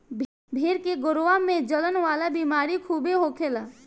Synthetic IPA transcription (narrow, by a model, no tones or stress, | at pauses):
bʱeɾkeɡʊɾʋamẽd͡ʒələnʋaːlabiːmaːɾikʰuːbeɦokʰeːlaː